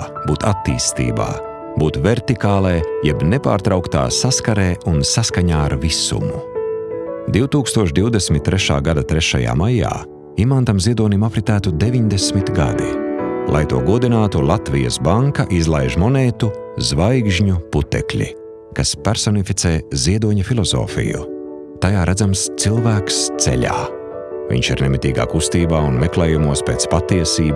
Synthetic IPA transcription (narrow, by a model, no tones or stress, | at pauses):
buːt̪at̪ːḭːst̪ḭːba̰ː | buːt̪vɛɾt̪ikaːlˠeːjɛbnɛpa̰ːɾt̪ɾawkt̪a̰ːsaskaɾeːunsaskaɲaːaɾvisṵmu | d̪iwt̪uːkst̪uɔʃd̪iwd̪esmʲit̪̚ːɾɛʃa̰ːɡad̪at̪ɾɛʃa̰ja̰ːmaja̰ː | imant̪amziɛd̪uɔnimafɾit̪æːt̪ud̪eviɲd̪esmit̪ɡa̰d̪ilˠa̰jt̪uɔɡuɔd̪inaːt̪ulˠat̪vijɐ̰sbaŋkaʔizlˠajʒmɔneːt̪uzvajɡʒɲuput̪ɛ̰klʲḭ | kaspaɾsɔnifit̪seːziɛd̪uɔɲɐfilˠɔzɔ̰ːfḭjṵ | t̪ajaːɾæd̪zamst̪silˠvæːkst̪sɛ̰ʎʲa̰ː | vʲḭɲʃḭɾnɛmit̪iːɡa̰ːkust̪iːbaːunmɛklˠeːjumuɔspeːt̪spat̪iɛsiːb